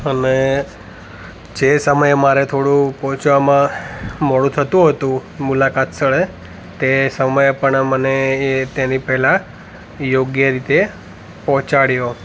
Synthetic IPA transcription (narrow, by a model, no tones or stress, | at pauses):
əne | d͡ʒesəməjmaɾet̪ʰoɽũpɔɦt͡ʃʋamãməɭũt̪ʰət̪ũɦət̪ũmulakat̪t͡ʃəɭe | t̪esəməjpəɳmənet̪enipɛɦla | joɡjəɾit̪e | pɔ̃ɦt͡ʃaɽjo